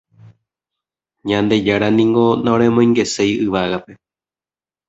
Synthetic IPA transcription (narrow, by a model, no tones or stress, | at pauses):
ɲãnd̪e̞d͡ʒaɾanĩŋɡo̞naõɾ̃ẽ̞mõj̃ŋɡe̞se̞jɨʋaɣape̞